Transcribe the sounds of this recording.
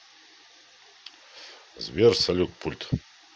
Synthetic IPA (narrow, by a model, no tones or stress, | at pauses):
zvʲersɐlʲuk̚pʰulʲt̪